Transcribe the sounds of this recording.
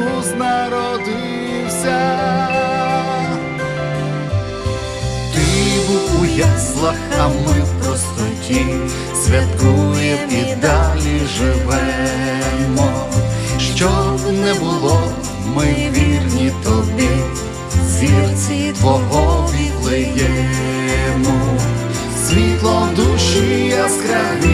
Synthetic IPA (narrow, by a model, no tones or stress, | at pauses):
uznɐɾɔd̪ɪ | wsʲɐ | t̪ibʊujɛslˠɐxɐmɪwpɾɔst̪ɔtʲi | sʲʋʲɐt̪kujɛpid̪alʲiʒɪʋɛ | mɔ | ʃt͡ʃɔnɛbʊlˠɔ | mɪwʋʲirnʲit̪ɔd̪ɪ | zʲirit̪ʋɔɦɔʋʲiklˠɪjɛ | mɔ | sʲʋʲit̪lˠɔd̪uʃɪɐskɾɛ | i